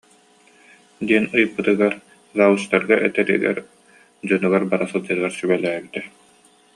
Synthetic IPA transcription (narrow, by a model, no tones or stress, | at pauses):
d̪iɛnɯjɯpːɯt̪ɯɡaɾ | zaːwust̪aɾɡaʔɛt̪ɛɾḭɡɛ̰ɾ | d͡ʑɔnyɡaɾbaɾasɯlˠd͡ʑɯɡaɾsybɛlæːbit̪ɛ